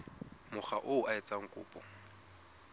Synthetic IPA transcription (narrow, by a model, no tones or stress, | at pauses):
mʊχaʔʊʔaɛt͡sʼaŋ̩kʼʊ̰ːpʼɔ